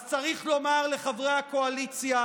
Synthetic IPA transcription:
t͡saʁiχlo̞maʁle̞χavʁejakoalit͡sja

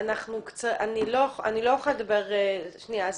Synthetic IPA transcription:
anaχnukt͡saaniloa̰nilojuχajad̪abeʁeʃniaz

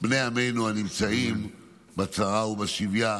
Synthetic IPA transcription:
bne̞ame̞jnuanimt͡saim | bat͡saʁaubaʃivja

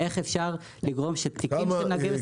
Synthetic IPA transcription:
eχefʃaʁ | liɡʁo̞mʃet̪ikimenaɡev

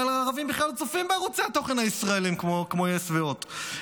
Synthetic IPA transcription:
alaːʁavimbiχlalt͡sofimbeaʁut͡seato̞χe̞nhaisʁaelimkmokmo̞jesveot

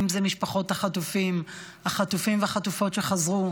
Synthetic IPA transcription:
mzemiʃpaχo̞thaχatufim | haχatufimveaχatufo̞tʃe̞χazʁu

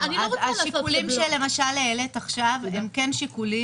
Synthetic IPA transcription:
anioaʃikulimʃele̞maʃaleelet̪aχʃavemkenʃikuli

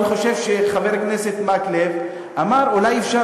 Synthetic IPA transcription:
χo̞ʃe̞vʃeχaveʁkneset̪maklev | ʔamaʁulajefʃa

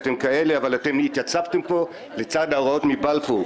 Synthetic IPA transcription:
temkaele̞avalate̞mitjat͡savtempo̞ | let͡sadaoʁao̞tmibalfo

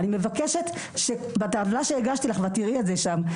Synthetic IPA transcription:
nime̞vakeʃet̪ | ʃe | bataːvlaʃeeɡaʃtilaχvatiʁiezeʃam

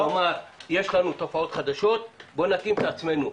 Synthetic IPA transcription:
amaʁje̞ʃlanut̪o̞fao̞t̪χad̪aʃo̞t̪bo̞nakimt̪aat͡sme̞nu

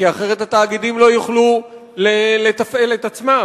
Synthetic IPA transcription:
iaχe̞ʁ̞et̪hat̪aːɡid̪imlo̞juχlu | lele̞t̪afe̞le̞t̪at͡sma

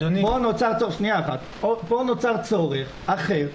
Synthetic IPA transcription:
onponot͡saʁt͡soʁeχʃniaaχat̪ | oponot͡saʁt͡soʁeχ | aχeʁ

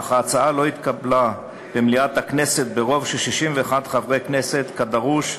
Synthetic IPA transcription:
aχaːt͡saalo̞it̪kabla | b̥emliat̪haknese̞t̪̚beʁo̞vʃelʃiʃimveaχadχavʁeknese̞t̪kad̪aʁuʃ

